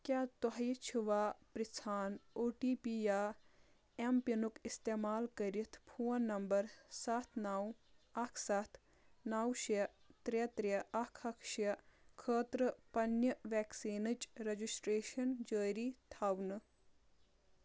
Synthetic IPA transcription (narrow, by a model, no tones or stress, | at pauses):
kjaːt̪oɦɐjt͡ʃʰiʋaːpɾit͡sʰaːnoːʈiːpiːjaː | empɐnukist̪eːmaːlkɐɾit̪ʰpʰuːnːɐmbɐɾsat̪ʰnaːwɐkʰsat̪ʰ | naːwʃe | t̪ɾet̪ɾeɐkʰɐkʰʃekʰəːt̪ɾəpɐnjɐʋɛːksiːnɨt͡ʃɾɐd͡ʒisʈɾeːʃɐnd͡ʒəːɾiːt̪ʰaːwnɨ